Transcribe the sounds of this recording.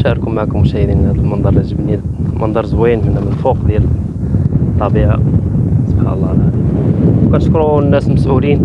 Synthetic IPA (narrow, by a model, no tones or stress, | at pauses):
ʃæəɾkʊmːaʕkʊmʃæjd̪inhæd̪əlmənd̪ˤɑɾˤʒəbnimʔənd̪ˤɑɾˤzwæjnhʊnːæmənəlfuqd̪jæl | t̪ˤːɑbiʕasˤobħa̰nlˤːɑlad̪wkænəʃkɾunːæsməsʔulin